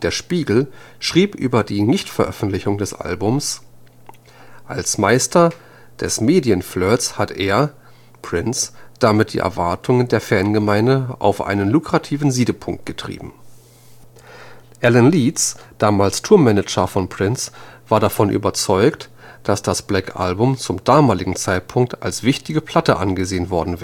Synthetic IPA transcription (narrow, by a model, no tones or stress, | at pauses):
d̥eːɐʃpiːɡl̩ | ʃʁ̥iːpʔy̰ːbɐdiːnɪçtfɛɐʔœfn̩tlɪçʊŋdɛsʔa̰lbʊms | ʔalsmaɪstʰɐ | d̥ɛsmeːdiənflœːɐshatʰʔeːɐ | pʁ̥ɪnt͡sd̥amɪt̚d̥ḭːʔɛ̰ɐvaɐtʰʊŋəndeːɐfɛɐnɡəmaɪndəʔa̰ʊfʔa̰ɪnənlukʁ̥atʰiːvn̩ziːdəpʰʊŋk̚t̚ɡ̥ətʁ̥ḭːbm̩ | ʔɛlənliːtsd̥aːmaːlstʰuːɐmːɛnəd͡ʒɐfɔnpʁ̥ɪnt͡sv̥aːɐdafɔnʔy̰ːbɐt͡sɔʏktd̥asd̥asb̥lɛkʰʔa̰lbʊmt͡sʊmdaːmaːlɪɡŋ̩t͡saɪt̚pʰʊŋk̚ta̰lsv̥ɪçtɪɡəpʰl̥atəʔanɡəzeːənvɔɐdn̩vɛː